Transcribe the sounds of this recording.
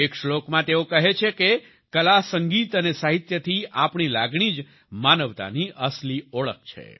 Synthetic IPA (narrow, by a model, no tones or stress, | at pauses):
ekʃlokmãt̪eokəɦet͡ʃʰeke | kəlasəŋɡit̪ənesaɦit̪jət̪ʰiapɳ̃ilaɡɳ̃id͡ʒ | manəʋt̪a̰niʔəslioɭək̚t͡ʃʰḛ